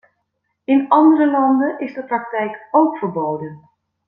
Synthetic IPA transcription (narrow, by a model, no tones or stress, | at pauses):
ɪnɑndərəlɑndənɪzdəprɑk̚tɛjkowkfəɹbowdən